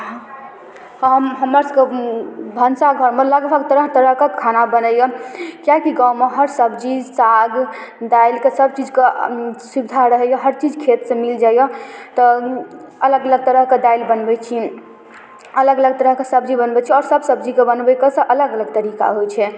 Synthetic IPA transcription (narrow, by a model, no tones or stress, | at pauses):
ɦəmɦəmɾəɾskebʱənsaɡʱəɾmeləɡbʱəɡt̪əɾəɦt̪əɾəɦkekʰːanabənəjɔkjakiɡaumeɦəɾsəbd͡ʒisaɡd̪ailkesəbt͡ʃid͡ʒkesubd̪ʱaɾəɦɛjɔɦəɾt͡ʃid͡ʒkʰet̪sẽmild͡ʒajɔt̪ɔ | ələɡələɡ̚t̪əɾəɦked̪ailbənbɛt͡ʃʰi | ələɡələɡ̚t̪əɾəɦkesəb̚d͡ʒibənbɛt͡ʃʰɛɔːɾsəbsəbd͡ʒikebənbɛkesəʔələɡələɡ̚t̪əɾika̰ɦojt͡ʃʰɛ